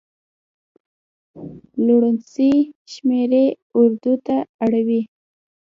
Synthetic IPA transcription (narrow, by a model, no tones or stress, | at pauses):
luɽənsiʃmeɾe | ʊɾd̪ut̪aaɽawi